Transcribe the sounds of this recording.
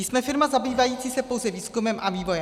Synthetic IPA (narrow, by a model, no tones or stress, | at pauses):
smɛfɪɾmazabiːvajiːt͡siːsɛpowzɛviːskumɛmʔaviːvo̞jɛ